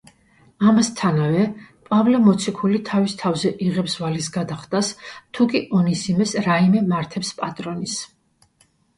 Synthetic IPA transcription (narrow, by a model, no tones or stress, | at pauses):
amast̪ʰanavɛpʼavlɛmɔt̪sʰikʰulit̪ʰavist̪ʰavzɛʔiʁɛpsvalisɡad̪aχd̪ʼast̪ʰukʼiʔɔnisimɛsɾaimɛmaɾt̪ʰɛpspʼat̪ʼɾɔnis